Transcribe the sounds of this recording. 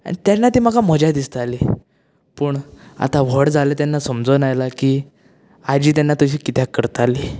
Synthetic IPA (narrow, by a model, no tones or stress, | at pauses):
a̰ɽ̃it̪janːat̪iːm̤akaməd͡ʑad̪ist̪ali | pəːɳa̰t̪aʋəɽd͡zalet̪janːasəmd͡zənajlakiː | ad͡ʑiːt̪̬janːat̪əɕiːkit̪jakəɾt̪ali